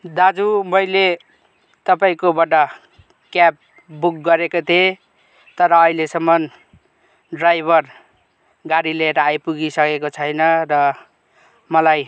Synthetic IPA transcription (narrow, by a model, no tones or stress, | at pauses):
d̪ad͡zumʌjle | t̪ʌpaĩkobaʈʌ | kjap̚ | buk̚ɡʌɾekot̪ʰie | t̪ʌɾʌːilesʌmːʌn | ɖrajbʱʌr | ɡaɽileʈajpuɡisʌkekot͡sʰʌjnʌrʌ | mʌlaj